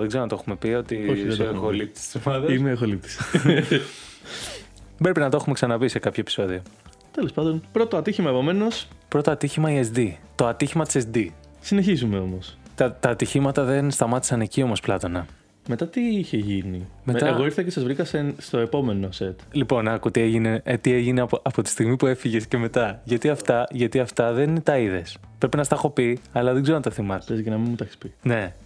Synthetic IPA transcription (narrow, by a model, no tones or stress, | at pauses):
ðeɡzeonɐt̪o̞xume̞pio̞t̪ioçexolip̚t̪i̥st̪isomɐðɐineexolip̚t̪i̥s | pɾe̞pinɐt̪o̞xumeksɐnɐvise̞kɐpçoepi̥so̞ðio̞ | t̪e̞le̞spɐnd̪o̞npɾo̞t̪oɐt̪içimɐepo̞me̞no̞spɾo̞t̪oɐt̪içimɐiesd̪it̪o̞ɐt̪içimɐt̪i̥sesd̪isineçizumeo̞mo̞st̪ɐt̪ɐːt̪içimɐt̪ɐðenst̪ɐmɐt̪i̥sɐnecio̞mo̞splɐt̪o̞nɐ | me̞t̪ɐt̪iiçe̞ʝinimet̪ɐeɣoiɾθecesɐzvɾikɐsest̪o̞e̞po̞me̞no̞se̞t̪lipo̞nɐkut̪ie̞ʝine̞t̪ie̞ʝinepoɐpo̞t̪i̥st̪iɣmipue̞fiʝe̞sce̞me̞t̪ɐʝɐt̪iɐft̪ɐʝɐt̪iɐft̪ɐðe̞ninet̪ɐiðe̞s | pɾe̞pinɐst̪ɐxo̞piɐlɐðe̞ɡzeonɐt̪ɐθimɐezenɐminmut̪ɐçi̥spine̞